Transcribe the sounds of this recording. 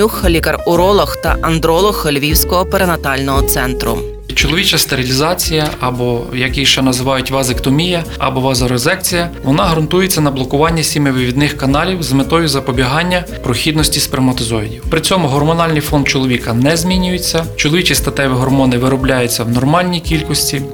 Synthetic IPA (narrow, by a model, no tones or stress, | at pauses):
uxɐlʲikɐrʊɾɔlˠɔxt̪ɐ̰ʔɐnd̪ɾɔlˠɔxːɐlʲʋʲiwsʲkɔɦɔpeɾenɐt̪ɑlʲnɔɦɔt̪sɛnt̪ɾʊ̰ | t͡ʃɔlˠɔʋʲit͡ʃɐst̪eɾʲilʲizɑt͡sʲijɐʔɐbɔjɐkijʃɛnɐzɪʋɑjʊtʲʋɐzɪkt̪ɔmʲijɐ | ɐ̰bɔʋɐzɐɾɔzɛkt͡sʲijɐʋɔnɑɦɐɾɐnt̪ujet͡sʲːɐnɐblˠɔkʊʋɑnʲːɐsʲimɪʋɪʋʲid̪nɪxkɐnɑlʲiwzmɪt̪ɔjʊzɐpɔbʲiɦɑnʲːɐ | pɾɔxʲid̪nɔsʲtʲispɾɪmɐt̪ɔzɔidʲiwpɾɪt͡sʲɔmʊɦɔrmɔnɑlʲnɪjfɔnd̪̚t͡ʃɔlˠɔʋʲikɐnɛzʲmʲinʲʊjʊt͡sʲːɐt͡ʃɔlˠɔʋʲit͡ʃʲist̪ɐt̪ɛʋɪɦɔrmɔnɪʋɪɾɔblʲajʊt͡sʲːɐwnɔrmɑlʲnʲijkʲilʲkɔsʲtʲi